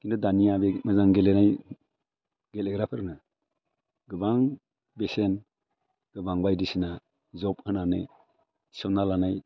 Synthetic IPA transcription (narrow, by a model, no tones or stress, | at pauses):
kindudanijabemɯzaŋɡelenaj | ɡeleɡɾapʰɯɾna | ɡɯbaŋ | besen | ɡ̥ɯbaŋbajdisina | zɔp̚ɯnanɯ̰ | sɔŋnalanaj